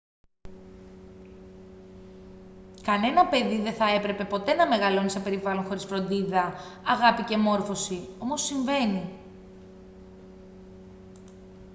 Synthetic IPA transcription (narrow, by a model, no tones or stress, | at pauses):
kɐne̞nɐpe̞ðiðeθɐe̞pɾe̞pe̞po̞t̪e̞nɐme̞ɣɐlo̞nisepe̞ɾivɐlo̞nxo̞ɾisfɾo̞nd̪iðɐɐɣɐpice̞mo̞ɾfo̞sio̞mosːiɱve̞ni